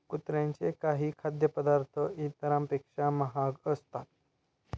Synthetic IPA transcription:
kut̪ɾãɲt͡ɕekaɦiːkʰad̪jəpəd̪aɾt̪ʰəʔit̪əɾãmpekʂaməɦaɡəst̪at̪̚

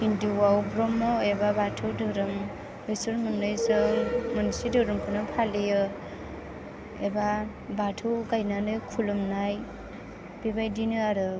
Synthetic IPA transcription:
indiwawbɾɔmːɔebabatʰɯwdɯɾɯm | ɯjsɯɾmɯnɯjzɯŋmanisidɯɾɯmkʰɯnɯpʰalijɯ | eba | batʰɯwkajnanɯjkʰulumnaj | b̥ibajdinɯaɾɯ

